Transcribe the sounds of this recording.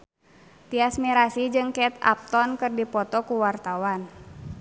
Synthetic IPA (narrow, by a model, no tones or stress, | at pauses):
t̪iasmiɾasid͡ʒɨŋkɛt̪a̰p̚t̪ɔnkɨrdipɔt̪ɔkuwart̪awan